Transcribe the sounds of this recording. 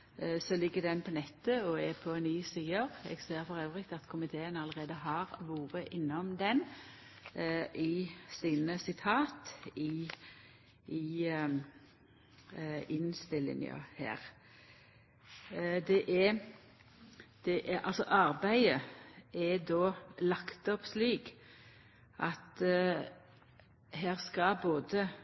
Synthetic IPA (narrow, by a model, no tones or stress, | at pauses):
sɔlɪɡːəd̪ɛnpʰɔnɛt̪ːəɔɛpʰɔɛnːyːsiːəʁɛ̰ɡseːɾfɔʁøːʋʁɪkt̪ɑt̪kʰʊmɪt̪ʰeːənɑləʁeːd̪əɦɑːʁʋuːʁəʔɪnːɔmd̪ɛn | ʔɪsiːnəsɪt̪ʰɑːt̪ɪ | ʔɪ | ɪnst̪ɪlːɪ̰ŋjɑ̰hæ̰ːʁ | d̪ɛʔɛ | d̪̥ɛʔɛʔɑlsɔʔɑʁbæɪəɛd̪oːlɑkt̪ɔpsliːk | ʔɑt̪ | ɦæːʁskɑboːd̪ə